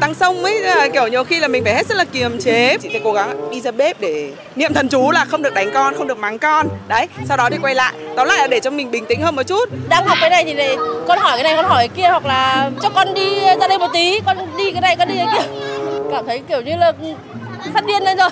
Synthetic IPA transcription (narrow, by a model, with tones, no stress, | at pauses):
t̪a˧ŋsə˧wŋ͡mʔə˨˦jki˧˩əwɲi˨˩əwxi˧laː˨˩mi˨˩ŋ̟faː˧˩he˦˥t̚zə˦˥laː˨˩ki˨˩əmt͡ɕe˨˦t͡ɕi˧˩fɛ̰˧˩ko˨˦ɣa˨˦ŋɓi˧zaː˧ɓe˦˥p̚ɗe˧˩ | nḭ˧əmt̪ʰə˨˩nt͡ɕu˨˦laː˨˩xə˧wŋ͡mɗɨ˨˩ək̚ɗa˨˦ŋkɔ˧nxə˧ŋ͡mɨ˨˩k̚ma˨˦ŋkɔ˧nɗə˨˦jsa˧wɗɔ˨˦t̪i˨˩kwa˧jla̰ː˧˨jt̪a˨˦wla̰ː˧˨lːʔaː˧˩ɗe˧˩t͡ɕɔ˧wŋ͡mmï˨˩ŋ̟ɓï˨˩ŋ̟t̪ḭ̈˧˥ŋ̟həː˧mo˨˩t͡ɕu˦˥t̚ɗaː˧ŋhw̚k͡p̚kːaː˨˦na˨˩jt̪ʰi˨˩na˨˩kɔ˧nhɔ˧˩jka˨˦na˨˩jkɔ˧nhɔ˧˩jə˨˦ki˧əhwa˨˩k̚laː˨˩t͡ɕɔ˧kɔ˧nɗi˧zaː˧ɗə˧jmo˨˩t̚t̪i˨˦kɔ˧nɗi˧kaː˨˦jna˨˩jkɔ˨˧˦nɗi˧əː˨˧˦ki˧əkaː˧˩mt̪ʰə˨˦jki˧˩əwɲɨ˧ləː˨˩k | faː˦˥t̚ɗi˧ənə˧˦zo˨˩j